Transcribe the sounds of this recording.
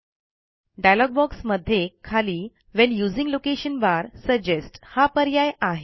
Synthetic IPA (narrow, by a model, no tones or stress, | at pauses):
ɖajlɔɡ̚bɔksməd̪ʱːjekʰːaliː | ʋɛnjud͡zĩŋɡlokeɕənbaɾsəd͡ʑesʈhapəɾjajaɦe